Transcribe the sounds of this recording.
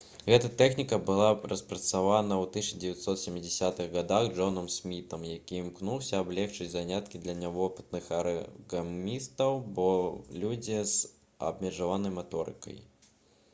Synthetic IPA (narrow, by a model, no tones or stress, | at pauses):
ɣɛt̪ɐt̪ɛxnʲikɐbɨlˠarɐspɾɐt̪savanɐwt̪ɨɕɐd͡zʲɪvʲjɛt̪sɔt̪sʲɛmʲːid͡zʲɪsʲat̪ɨɣɣad̪aɣʐɔnɐmsmʲit̪ɐmjakʲimknuwsʲɐːblʲɛxt͡ʂɨt͡sʲzanʲat̪kʲid̪lʲɐnʲavɔpɨ̥t̪nɨxɐɾɐɣamʲist̪ɐwbɔlʲud͡zʲiz | ɐ̰bmʲɛʐavanɐjmat̪ɔɾɨ̰kɐ̰j